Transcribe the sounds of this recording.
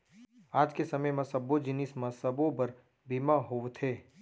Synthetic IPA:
aːd͡ʒkesɐməjmɐ̃sɐbod͡ʒɪnɪsmãsɐbõbəɾ | bimãɦoʋt̪ʰeː

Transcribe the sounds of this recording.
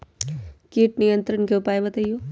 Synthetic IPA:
kiːʈ̚nijə̃nt̪ɾənkeʊpaːebɐt̪aijoː

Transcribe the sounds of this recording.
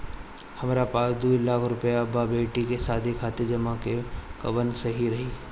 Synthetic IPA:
hɐmɾapaːsd̪uːilaːkʰɾʊpjababeːʈikesaːd̪ʱikʰaːt̪ed͡ʒɐmakekɐʋənsɐɦiɾɐɦiː

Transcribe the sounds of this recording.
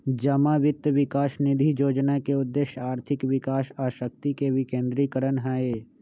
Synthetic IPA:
d͡ʒəmaʋɪt̪ʋɪkaːʃnɪd̪ʱijoːd͡ʒnakeʊd̪ːeːʃjaːɾt̪ʰɪkʋɪkaːʃaːʃək̚t̪ikebʱikẽːnd̪ɾiːkəɾənɦɛːeː

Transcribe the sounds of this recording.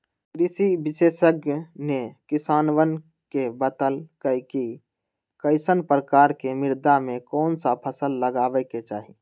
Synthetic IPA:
ɾisibɪsesəɡnekɪsaːnwən | kebət̪əlkəjki | kəɪsənpɾəkaːɾkemɪɾd̪amẽkɔːnsapʰəsəlːəɡaːbɛket͡ʃaːɦi

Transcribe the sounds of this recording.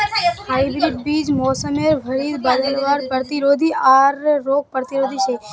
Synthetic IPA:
ɦajbɾiʈ̚bid͡ʒmɔːsəmeɾbʱəɾid̪bəɾəɽʋaɾpəɾt̪iɾod̪ʱiaɾːok̚pəɾt̪iɾod̪ʱit͡ʃʰe

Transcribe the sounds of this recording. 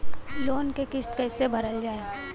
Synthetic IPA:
loːnkekɪst̪kɛːsebʱɐɾəld͡ʒaːeː

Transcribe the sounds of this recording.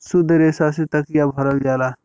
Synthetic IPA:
sʊd̪əɾeːsaset̪ɐkjabʱɐɾəld͡ʒaːlaː

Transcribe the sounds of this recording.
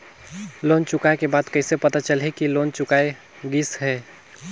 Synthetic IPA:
lont͡ʃʊkaekebaːd̪kəɪsepət̪at͡ʃəlɦikilont͡ʃʊkae | ɡisɦɛː

